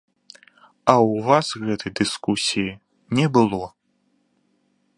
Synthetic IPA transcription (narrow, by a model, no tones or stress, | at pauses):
ɐwvasɣɛt̪ɨjd̪ɨskusʲiji | nʲɛbɨlˠɔ